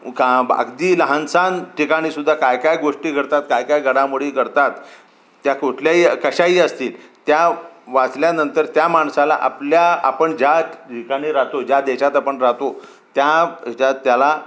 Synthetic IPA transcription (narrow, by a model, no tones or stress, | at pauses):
kaba̰ɡd̪iːləɦansanʈikaɽ̃iːsud̪ʱːakajkajɡoʂʈiːɡʱəɾt̪at̪kajkajɡʱəɽamuɽiːkəɾt̪at̪ː | jakoʈʰljaɦiːkəɕaiːəst̪iːlt̪jaʋat͡sljanənt̪əɾt̪jamaɳsala̰ʔa̰pljaa̰pəɳd͡ʑjaʈʰikaɽ̃iːɾat̪od͡ʑjad̪eɕat̪apəɳɾat̪o | t̪jad͡ʑat̪jala